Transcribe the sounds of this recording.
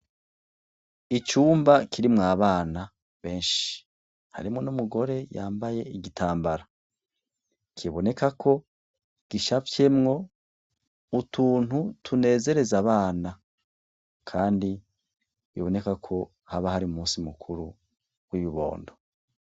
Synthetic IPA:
it͡ʃuːmbakʰiɾimŋaːβaːna | βe̞ːnʃi̥ | ha̰ɾimŋo̞numuɡo̞ɾe̞ja̰ːmbaje̞iɡitʰaːmbaɾa | kʰiβo̞ne̞kakʰo̞ | ɡ̥iʃafje̞mŋo̞ | utʰuːn̥hutʰune̞ːze̞ɾe̞zaβaːna | kʰaːndi | βḭβo̞ne̞kakʰo̞ | haβahaɾiumuːsimukʰuɾu | ɡ̥wiβiβo̞̰ːndo̞

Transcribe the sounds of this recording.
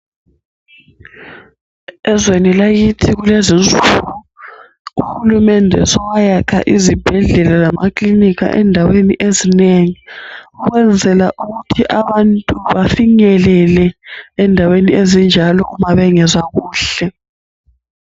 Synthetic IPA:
ɛzwenilaɣitʰiɣulezint͡sʼuɣu | uxulumɛndʱɛ̰sɔwajakʰa̰ʔizib̥ʱɛɮɛlazamakʼliniɣa̰ʔɛ̰ndʱaweniʔezineŋiuɣwɛnd͡zʱɛlaʔuɣutʰiʔaβantʼuβafiɲɛlɛlɛɛndʱaweniezind͡ʒʱalɔʔumaβɛŋɛzaɣuːɬɛ

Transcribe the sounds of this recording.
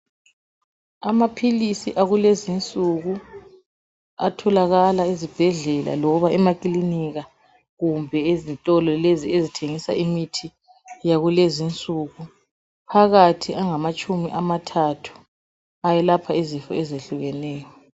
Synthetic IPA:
amapʰilisiʔaɣulezint͡sʼuɣu | atʰɔlaɣalaizib̥ʱɛɮɛla̰lɔɣuβaɛmakʼiliniɣa | ɣumbʱɛezintʼɔlɔleziezitʰeŋisa̰imitʰi | jaɣulezint͡sʼuɣu | pʰaɣatʰiʔaŋamat͡ʃʼumiʔamatʰatʰu̥ | ajɛlapʰaizifɔ̰ɛzeɬuɣɛnɛːjɔ

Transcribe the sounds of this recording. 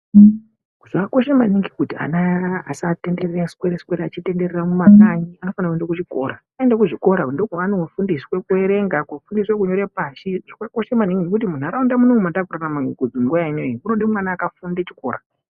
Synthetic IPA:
kuʐakako̞ʃemaniŋɡikutia̰na̰ːsate̞nde̞reraskwe̞ɾeskwe̞ɾaat͡ʃite̞nde̞reramumakaɲiano̞fanakuendakut͡ʃiko̞̰ːɾakaendakuʐiko̞ɾandokuanoufundiswekueɾe̞ŋɡakafundiswekuɲo̞ɾepaʃiʐakakoʃemaniŋɡinekut̬imun̤aɾaundamunoŋumandakuranamaŋikud͡ziŋɡuʋainoiuno̞ɗimwanaːkafundet͡ʃi̥ko̞̰ːɾa

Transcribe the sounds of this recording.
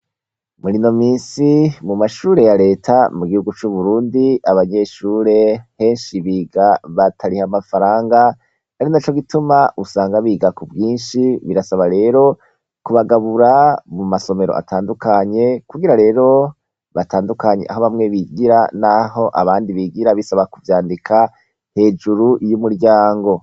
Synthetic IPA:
muɾino̞miːsimumaʃuːɾe̞jaɾe̞ːtʰamuɡihuɡut͡ʃuβuɾuːndiaβaɲe̞ʃuːɾe̞he̞ːnʃiβiːɡaβatʰaɾihamafaɾaːŋɡa | aɾinat͡ʃo̞ɡitumaʔusaːŋɡaβiːɡakubjiːnʃiβiɾasaβaɾe̞ːɾo̞ | kuβaɡaβuɾamumaso̞me̞ɾoʔa̰tʰaːndukaɲe̞kuɡiɾaɾe̞ːɾo̞ | βatʰaːndukaɲe̞ʔa̰ɦoβamŋe̞βiɡiɾanaɦo̞ʔa̰βaːndiβiɡiɾaβisaβakuvjaːndikʰa | he̞ːd͡ʒuɾujumuɾɟaːŋɡo̞

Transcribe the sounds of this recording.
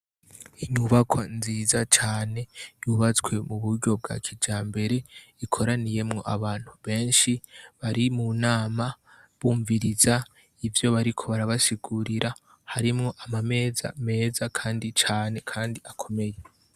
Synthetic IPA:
iɲuβakʰwanziːzat͡ʃaːne̞juβat͡swe̞muβuɾɟo̞b̚ɡa̰kʰid͡ʒaːmbe̞ɾe̞ | ikʰo̞ɾanije̞mŋo̞ʔaβaːn̥huβe̞ːnʃiβaɾimunaːma | βuːɱviɾiza | ivjo̞βaɾikʰo̞βaɾaβasiɡuɾiɾʔa | haɾimŋo̞ʔamame̞ːza̰me̞ːzakʰaːndit͡ʃaːne̞kʰaːndiakʰo̞me̞je̞

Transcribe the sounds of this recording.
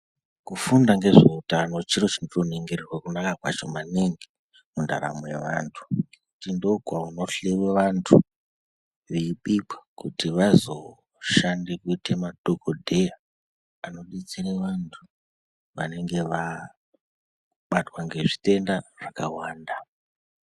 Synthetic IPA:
kufundaŋɡe̞ʐeeutanot͡ʃiɾot͡ʃinotoneŋɡererwakunakakwa̰t͡ʃo̞maneŋɡe | munda̰ɾa̰moje̞̰ʋa̰ntʰu̥ | kutindo̞ɡʱwauno̞ɬeweʋantʰu | ʋeiɓipḁkutiʋazo̞̰ | ʃandekuitemaɗokʰodʱe̞jaː | no̞ɗit͡sireʋantʰu̥ | ʋane̞ŋɡe̞ʋa | ɓatwaŋɡe̞ʐite̞ndaʐ̥akawaːnda

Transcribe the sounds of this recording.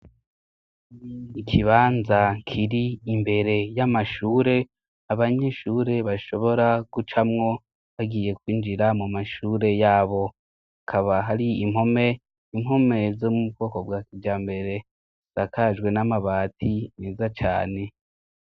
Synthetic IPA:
ikʰiβaːnzakʰiɾiimbe̞ɾe̞jamaʃuːɾe̞ | aβaɲe̞ʃuːɾe̞βaʃo̞βo̞ɾaɡ̥ut͡ʃamŋo̞ | βaɡiːje̞kwiːnd͡ʒiɾamumaʃuːɾe̞jaːβo̞ | hakʰaβaɦaɾiimho̞me̞ | imɦo̞me̞zomuubɡo̞ːko̞bɡaːkid͡ʒaːmbe̞ɾe̞ | sakad͡ʒɡwe̞namaβaːtʰine̞ːzat͡ʃa̰ːne̞

